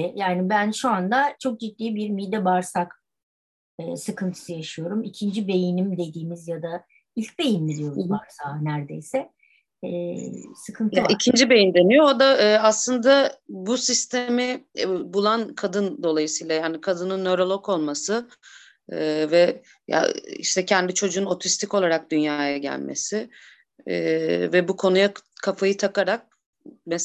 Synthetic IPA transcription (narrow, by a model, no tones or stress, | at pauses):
jaːnibænʃuand̪at͡ʃʰo̞k̚d͡ʒit̪ːiːbiɾmid̪ɛbaɾsak | ɯːsɯkʰɯnt̪ʰɯ̥sɯjaʃɯjo̞ɾumicʰind͡ʒibe̞jinimd̪e̞d̪iːmizjad̪a | ilʲc̚be̞jinmid̪ijo̞ɾuzbaɾsaːnæɾd̪e̞̰jsɛː | sɯkʰɯnt̪ʰicʰind͡ʒibe̞jind̪e̞nijood̪aːaslˠɯnd̪abusist̪ʰemɪbulˠankʰad̪ɯnd̪o̞lˠajɯsɯjlˠajaːnikʰad̪ɯnɯnːøɾolˠo̞ko̞lˠmasɯ | ɯvɛ | ja̰ḭʃt̪ʰɛcʰɛnd̪it͡ʃʰo̞d͡ʒuːnot̪ʰist̪ʰico̞lˠaɾak̚d̪ynjaːjaɟæ̰lʲmḛsɪː | vɛbukʰo̞nujakʰafajɯt̪ʰakaɾak̚ | mɛs